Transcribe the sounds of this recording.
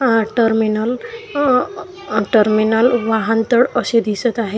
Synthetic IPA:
ʈəɾminəl | ʈəɾminəlʋaɦant̪əɽʌsed̪isət̪aɦe

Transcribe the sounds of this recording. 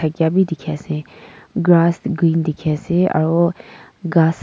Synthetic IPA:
əɡjabʱid̪ɪkʰɛsẽɡɾaːsɡɾiːnd̪ɪkʰɛsẽə̰ɾo | ɡaːs

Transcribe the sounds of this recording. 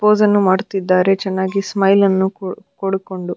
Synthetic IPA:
poːzɐnːumaːɽt̪id̪ːaːɾe̞t͡ʃɛnːaːɡismɐjlɐnːukoɽuko̞ɳɖu

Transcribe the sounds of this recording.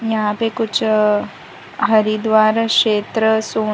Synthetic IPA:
jaːpekut͡ʃ | ɦɐɾid̪ʋaːɾakʂeːt̪ɾəsoː

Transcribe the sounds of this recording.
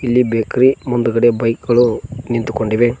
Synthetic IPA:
ilːibeːkɐɾimund̪ukɐɽebɐjkɡɐɭunint̪ukoɳɖiʋe

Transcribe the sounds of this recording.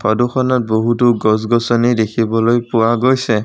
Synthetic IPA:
pʰɔduxʰɔnɔt̚boɦutuɡɔs̬ɡɔsɔnidekʰibɔlojpʊwaɡojsɛ

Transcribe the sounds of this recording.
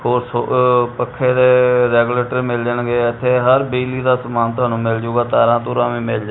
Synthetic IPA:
hoːɾsopəkʰːeːd̪eːɾɛːɡuleːʈəɾmɪld͡ʒəɳɡeːɪt̪ʰːeːɦəɾbiːliːd̪aːsəmaːnt̪ʊɦaːnũːmɪld͡ʒoːɡaːt̪aːɾãːt̪ũːɾãːʋĩːmɪld͡ʒa

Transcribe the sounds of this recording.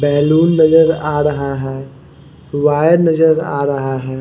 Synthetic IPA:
bɛːluːnːɐd͡ʒəɾaːɾɐɦaɦɛː | ʋaːjəɾnɐd͡ʒəɾa̰ːɾɐɦaɦɛː

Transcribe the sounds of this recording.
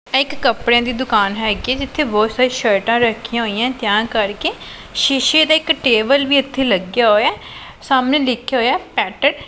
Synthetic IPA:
ɪkːəpɽẽːd̪iːd̪ʊkaːnɦɛːɡiːɛːd͡ʒɪt̪ʰːeːboːsaːɾiːʃəɾʈãːɾəkʰijãːɦoːijãːt̪jãːkəɾkeː | ʃɪʃeːd̪aːɪkʈeːbəlʋiːət̪ʰːeːləɡjaːɦoːaː | saːmnẽːlɪkʰːjaːɦoːjaːpɛːʈəɽ

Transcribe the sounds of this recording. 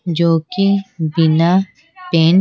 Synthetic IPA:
d͡ʒoːkibɪna | pẽːn

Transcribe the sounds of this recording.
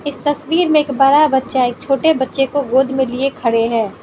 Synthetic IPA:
ɪst̪ɐswiːɾmẽeːkbɐːɾabɐtːʃaeːk̚t͡ʃʰoːʈebɐtːʃekoɡoːd̪ʱmẽliekʰɐɽeɦɛ̃ː

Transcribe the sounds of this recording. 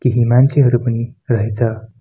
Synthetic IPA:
kiɦimãnt͡ɕiɦəɾupniːɾəɦt͡sa

